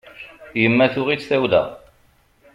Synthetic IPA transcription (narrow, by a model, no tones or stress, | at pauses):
jəmːæθʊʁit͡sːθæwðæ̰